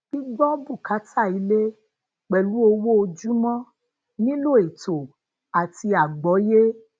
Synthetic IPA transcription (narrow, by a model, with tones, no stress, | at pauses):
b̥i˦ɡ͡bɔ˦bu˦˨ka˨˦tʰa˦˨i˨˦le˦ | k͡pɛ˨lu˨˦o˧wo˦o˧d͡ʒu˦mɔ̃˦ | nĩ˦lo˦˨e˨to˨ | a˨ti˧a˨ɡ͡bɔ˨˦je˦